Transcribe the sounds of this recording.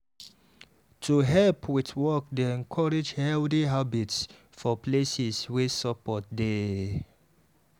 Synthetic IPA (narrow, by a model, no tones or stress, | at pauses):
tʰuɦɛlpwiθwɔk̚deɛ̃nkʰɔɹed͡ʒhɛldiɦabits | fɔplesɛswesɔpɔt̚de